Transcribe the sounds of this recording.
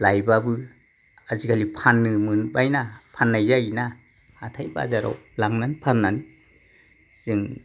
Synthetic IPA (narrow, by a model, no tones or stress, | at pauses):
lajbabɯ | azikʰalipʰanːɯmɯnbajnapʰanːajzajna | hatʰajba̰zaɾɔ̰wlaŋnanpʰanːan | z̥ɯŋ